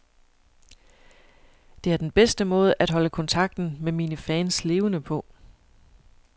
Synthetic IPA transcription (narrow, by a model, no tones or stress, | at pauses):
d̥e̝æɐd̥enb̥esd̥əmɔ̽ːð̞ˠəʔæd̥ɦɒ̽ləkʰɒ̽nt͡sʰɑ̈ɡ̥̚d̥n̩memiːnəfɛːnsle̝ːʊənəpʰɒ̽